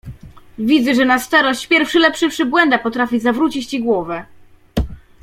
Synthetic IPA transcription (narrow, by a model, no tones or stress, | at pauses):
vʲid̪zɛʐɛnast̪ɛɾɔɕt͡ɕpʲjɛɾfʂɘlɛpʂɘfʂɘbwɛnd̪apɔt̪ɾafʲizavɾut͡ɕit͡ɕt͡ɕiɡwɔvɛ